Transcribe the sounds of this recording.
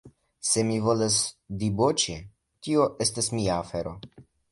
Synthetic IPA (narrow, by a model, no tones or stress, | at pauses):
se̞mivo̞lasd̪ibot͡ʃe | tio̞ʔestasmiaːfe̞ɾo̞